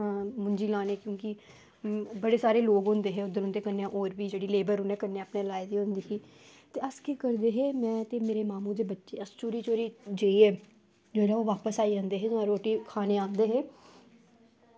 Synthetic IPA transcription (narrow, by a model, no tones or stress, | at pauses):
ãːmʊɲd͡ʒiːlaːneːkjõːkɪ | bəɽeːsaːɾeːloːɡɦʊ̃nd̪eːɦeːʊd̪ənɦʊ̃nd̪eːkəɾneːãːʔoːɾʋiːd͡ʒeːɽiːleːbəɾɦʊnẽːkəɾneːaːpneːlaːed̪iːɦʊ̃nd̪iːkiː | t̪eːəskikəɾd̪eːɦeːmɛ̃ːt̪eːmeːɾeːmaːmũːd̪eːbətːʃeːəst͡ʃoːɾiːt͡ʃoːɾiːd͡ʒeːiːɛː | d͡ʒoːɾaːoːʋaːpəsaːiːõnd̪eːɦeːt̪ãːɾoːʈiːkʰaːneːãːnd̪eːɦeː